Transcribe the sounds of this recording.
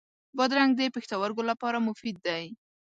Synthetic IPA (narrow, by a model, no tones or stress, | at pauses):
bɑd̪ɾaŋɡ̚d̪əpext̪awaɾɡolapɑɾamʊfid̪̚ːaj